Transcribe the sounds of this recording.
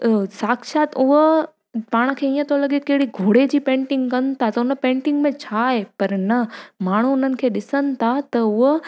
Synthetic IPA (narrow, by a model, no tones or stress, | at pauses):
saːkʃaːt̪ʊɦ | paːɽ̃̆kʰeːiːə̃t̪ʰolɐɠekɐɦɪɽiɡʱoːɽed͡ʑiːpẽːɳʈɪ̃ŋɡkɐnɪt̪ʰat̪ɐʊnəpẽːɳʈɪ̃ŋɡmẽt͡ɕʰaːɦepɐɾnɐmaːɳ̤uʊn̤ənɪ̆kʰeːɗɪsənɪ̆t̪ʰat̪ɐʊɦʊ